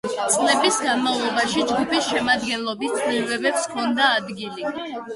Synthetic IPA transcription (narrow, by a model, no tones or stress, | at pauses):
t̪sʼlɛbisɡanmavlˠɔbaʃid͡ʒɡupʰisʃɛmad̪ɡɛnlˠɔbist̪ʰʼliɾvɛbɛpskʰɔnd̪aːd̪ɡili